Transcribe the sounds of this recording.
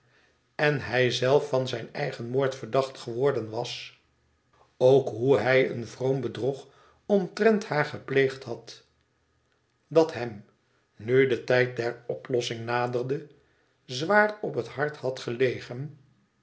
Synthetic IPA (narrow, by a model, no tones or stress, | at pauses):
ɛnɦɛjzɛlˠfɑnzɛjnɛjχənmoːɹtfəɹdɑχtχəʋɔɹdənʋɑs | owkɦuɦɛjə̰nvrombədruχ | ɔntrɛnthaːɹχəplejχtɦɑt | dɑtɦɛm | nydətɛjt̚dɛɹɔplɔsɪŋnaːdəɹdə | zʋaːrɔpɦətɦɑɹthɑtχəlejχən